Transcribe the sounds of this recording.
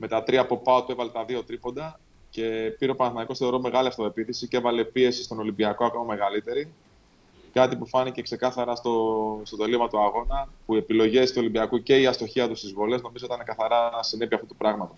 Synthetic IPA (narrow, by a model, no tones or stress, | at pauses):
me̞t̪ɐt̪ɾiɐpo̞pɐot̪ue̞vɐle̞t̪ɐðio̞t̪ɾipo̞nd̪ɐ | ce̞piɾeopɐnɐθnɐiko̞st̪eɾome̞ɣɐliɐft̪oepiθisicevɐle̞pie̞si̥st̪o̞no̞limbiɐko̞ɐko̞mɐme̞ɣɐlit̪e̞ɾi | kɐt̪ipufɐnice̞kse̞kɐθɐɾɐst̪ost̪ot̪elimɐt̪uɐɣo̞nɐpuie̞pilo̞ʝe̞st̪uolimbiɐkuce̞iɐst̪o̞çiɐt̪ust̪izvolezno̞mizoot̪ɐanekɐθɐɾɐsine̞piɐft̪ut̪upɾɐɣmɐt̪o